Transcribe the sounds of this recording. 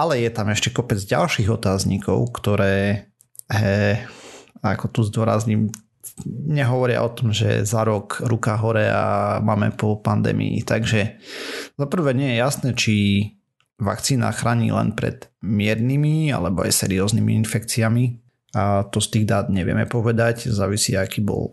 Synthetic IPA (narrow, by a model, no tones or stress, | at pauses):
alɛjɛt̪amɛʃcɛkɔpɛd͡zɟa̰lʃiːɣɔt̪aːzɲikʰɔ̰ʊkt̪ɔɾɛː | ɦɛ | akɔt̪uzd̪ʊɔɾa̰zɲim | ɲɛɦɔʋɔɾɪa̰ʔɔt̪ɔmʒɛ̰zaɾɔkɾukaɦɔɾɛa̰maːmɛ̰pɔpand̪ɛ̰ːmḭḭt̪aɡʒɛ | z̥apr̩ʋɛɲɛjɛjasnɛːt͡ʃi | ʋa̰kt͡siːna̰xɾaːɲḭːlɛ̰npɾɛ̰d̪̥mɪɛɾnimia̰lɛbɔa̰jsɛ̰ːɾiɔːznimḭinfɛkt͡siami | at̪ɔst̪iːɣd̪aːd̪ɲɛʋɪɛ̰mɛpɔʋɛd̪aczaːʋisiakiːbɔ̰l